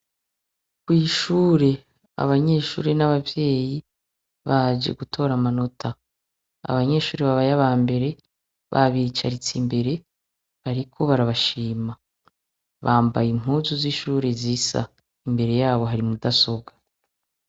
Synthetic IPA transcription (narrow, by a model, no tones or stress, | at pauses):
kwiːʃuːɾe̞ | a̰βaɲe̞ʃṵːɾenaβavje̞ːji | βad͡ʒe̞̰ɡutʰo̞ːɾamano̞tʰa | a̰βaɲe̞ːʃuːɾeβaβajaβaːmbe̞ɾe̞ | βa̰βit͡ʃaɾit͡simbe̞ɾe̞ | βaɾikʰo̞βaɾaβaʃiːma | βaːmba̰jiŋ̥uzuziʃuːɾe̞zisa̰ | imbe̞ɾe̞jaːβo̞ɦaɾimudaso̞ɡa